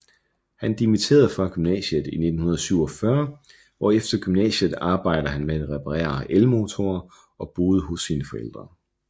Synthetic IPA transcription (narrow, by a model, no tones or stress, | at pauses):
hænd̥imit͡sʰe̝̰ːɐðˠfɶɐɡ̥ymnɛ̰ːɕəð̩ˠined̥n̩hunɐð̞̩ˠsyʊ̰ɒ̽fɶɐ | ɒefd̥ɐɡ̥ymnɛ̰ːɕəð̩ˠɑ̈ːb̥ɑ̈ɪ̰d̥ɐhænmeædʁɛpʰɑʁɛ̰ːɐʔelmo̝t͡sʰo̝ɐ | ɒ̽b̥o̝ːð̞ˠəɦɔsːiːnəfɒ̽ḛl̰d̥ʁɐ